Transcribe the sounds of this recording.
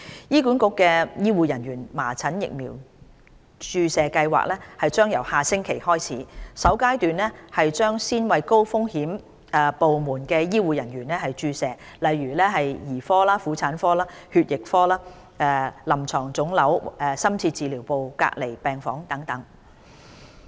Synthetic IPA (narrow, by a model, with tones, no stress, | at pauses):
jiː˥kuː˨˥nkʊ˨˧kːɛː˧jiː˥wuː˨˧jɐ˨˩nɥyː˨˩nmaː˨˩t͡sʰɐ˨˥njɪ̰˨k̚miː˨˩w | t͡ʃyː˧sɛː˨˧kɐ˧jwa̰ː˨k̚lɛː˥hɐ˨jt͡ʃœː˥ŋjɐ̰˨˩whaː˨sɪ˥ŋkʰe˨˩jhɔː˥jt͡sʰiː˨˥sɐ˨˥wkaː˥jt̪yː˨nlɛ˥hɐ˨jt͡ʃœː˥ŋsiː˥nwɐ˨˧jko˥wfʊ˥ŋhiː˨˥m | ɛ˧po˨wmuː˨˩nkɛː˧jiː˥wuː˨˧jɐ˨˩nɥyː˨˩nlɛ˥hɐ˨jt͡ʃyː˧sɛː˨˧lɐ˨jːyː˨˩lɛː˥ɦɐ˨jjiː˨˩fɔː˥laː˥fuː˨˥t͡sʰaː˨˥nfɔː˥laː˥hyː˧t̚jɪ˨k̚fɔː˥laː˥ | ʔɛː˧lɐ˨˩mt͡sʰɔː˨˩ŋt͡sʊ˨˥ŋlɐ˨˥wɛː˧sɐ˥mt͡sʰiː˧t̚t͡siː˨liː˨˩wpo˨wka̰ː˧k̚le˨˩jpɛː˨ŋfɔ̰ː˨˥ŋt̪ɐ˨˥ŋt̪ɐ˨˥ŋ